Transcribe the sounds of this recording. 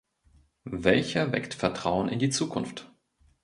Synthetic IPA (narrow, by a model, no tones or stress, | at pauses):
vɛlçɐvɛ̰ktfɛɐtʁ̥aʊənɪ̰ndiːt͡suːkʰʊnft